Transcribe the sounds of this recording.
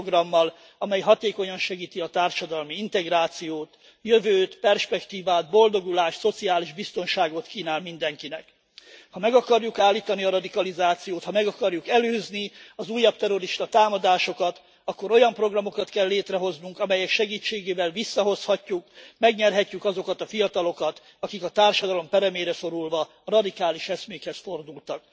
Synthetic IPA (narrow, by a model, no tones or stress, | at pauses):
oɡrɒmːɒl | ɒmɛjɦɒt̪eːko̞ɲɒnʃɛɡiːt̪iɒt̪aːrʃɒd̪ɒlmiint̪ɛɡraːt̪sijoːt̪ | jøvøːt̪pɛrʃpɛkt̪iːvaːd̪̚bo̞ld̪o̞ɡulaːʃt̪so̞t̪siaːliʒbist̪o̞nʃaːɡot̪kiːnaːlmind̪ɛŋkinɛk | hɒmɛɡɒkɒrjukaːlːiːt̪ɒniɒɾɒd̪ikɒlizaːt̪sijoːt̪hɒmɛɡɒkɒrjukɛløːzniɒzuːjːɒb̚t̪ɛɾo̞ɾiʃt̪ɒt̪aːmɒd̪aːʃo̞kɒt̪ | ɒkːoɾo̞jɒmpro̞ɡrɒmo̞kɒt̪kɛlːeːt̪rɛɦo̞znuŋkɒmɛjɛkʃɛɡiːt͡ʃːeːɡeːvɛlvisːɒɦo̞shɒcːukmɛɡɲɛrɦɛcːykɒzo̞kɒt̪ɒfijɒt̪ɒlo̞kɒt̪ | ɒkikɒt̪aːrʃɒd̪ɒlo̞mpɛɾɛmeːɾɛso̞ɾulvɒ | rɒd̪ikaːliʃɛsmeːkhɛsfo̞rd̪ult̪ɒk̚